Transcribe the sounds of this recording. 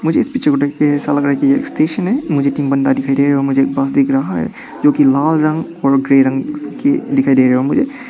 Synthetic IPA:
mʊd͡ʒʱeɪspiːt͡ʃʰekoɖekkeɦɛsalɐɡɾaːɦɛkijḛksʈeːʃənɦɛmʊd͡ʒʱeʈiːmbɐnd̪ad̪ɪkʰaːid̪eːɾɛɦeɔːɾmʊd͡ʒʱeeːk̚bas̬d̪eːkʰɾɐɦaɦɛ̰ | d͡ʒoːkilaːlɾɐ̃ŋɡɔːɾɡɾeːɾɐ̃ŋɡked̪ɪkʰaːid̪eːɾɛɦeɔːmʊd͡ʒʱe

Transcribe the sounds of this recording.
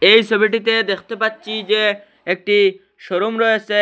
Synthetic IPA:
ejsobiʈ̬it̪ed̪ekʰt̪epatːɕʰid͡ʑe | ek̚ʈi | ʃoɾomɾɔjese

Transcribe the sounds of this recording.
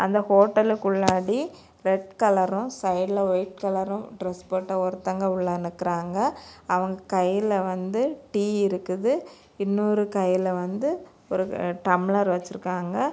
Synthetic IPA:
ɐnd̪ɐhoːʈːɐlkʊɭːaːɽi | ɾɛʈ̚kɐlɐɾʊ̃sɐɪɖlɐʋɐɪʈ̚kɐlɐɾɔ̃ɖɾɛspɐʈːɐɔɾt̪ːɐŋɡɐʊɭːɐnːɯkːɪɾaːŋɡɐɐʋɐŋɡɐkɐjːɪlɐʋɐnd̪ɯʈiːɪɾɯkːɯðɯ | ɪnːoɾɯkɐjːɪlɐʋɐnd̪ɯ | ɔɾɯʈɐmɪlɐɾʋɐt͡ʃːɪɾɯkːaːŋɡɐ

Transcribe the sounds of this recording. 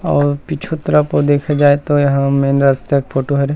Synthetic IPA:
ɔːɾpit͡ʃʰot̪ɐɾəpod̪eːkʰad͡ʒaːet̪ojɐɦãmeːnɾast̪ekfʰoːʈoɦɛɾ

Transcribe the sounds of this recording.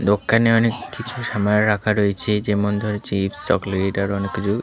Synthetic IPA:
d̪okːaneɔnekːit͡ɕʰuʃamaɾakʰaɾojet͡ɕʰed͡ʑemɔnd̪ʱoɾet͡ɕibst͡ʃɔ̰kliɖaɾɔnekːit͡ɕʰu

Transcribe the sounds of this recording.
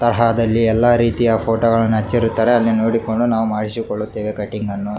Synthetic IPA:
t̪ɐɾɐɦad̪ɐlːiɛlːaːɾiːt̪ijɐːpʰoːʈoːɡɐɭɐnːɐt͡ʃːiɾut̪ːaːɾeɐlːinoːɽiko̞ɳɖunaːʋumaːɽisikoɭːut̪ːeːʋekɐʈːiŋɡɐnːu

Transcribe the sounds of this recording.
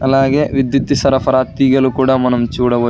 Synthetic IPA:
ɐlːaːɡeːʋid̪jit̪ːisɐɾɐpʰɐɾaːt̪iɡɐlukuːɽamɐnɐmt͡ʃuːɽɐbɐ

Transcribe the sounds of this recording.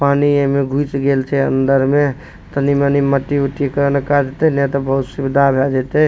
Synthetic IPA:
paniemeɡʱut͡ʃɡelt͡ʃʰɛə̰nd̪əɾme | t̪əniməniməʈːiuʈikəɾənkad͡ʒet̪ɛnɛt̪ɔbəɦut̪sibd̪ʱabʱɛd͡ʒet̪ɛ

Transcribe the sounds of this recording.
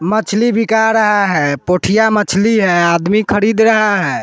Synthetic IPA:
mət͡ʃʰlibʱikaɾəɦaɦɛpoʈʰijamət͡ʃʰliɦɛad̪mikʰəɾid̪ɾəɦaɦɛ

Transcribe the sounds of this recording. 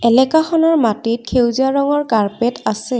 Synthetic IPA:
ɛlɛkaxɔnɔɹmatit̚kʰewziaɹɔŋɔɹkaɹpɛtasɛ

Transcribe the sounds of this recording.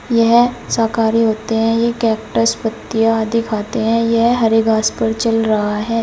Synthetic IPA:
jɛɦsaːkaːɾiɦoːt̪eɦɛ̃jekɛːpʈəspət̪ːɪjad̪ʱɪkʰaːt̪eɦɛ̃jɛɦɦɐɾeɡaːspɐɾt͡ʃɐlɾɐɦaɦɛː

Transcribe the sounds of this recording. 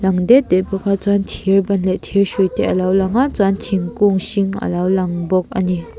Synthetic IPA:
laŋd̪ed̪eʔpukʰat͡swant̪ʰiɹbanlet̪ʰiɕut̪eʔalawlaŋat͡swant̪ʰiŋkuŋɕiŋa̰lawlaŋbok̚ani

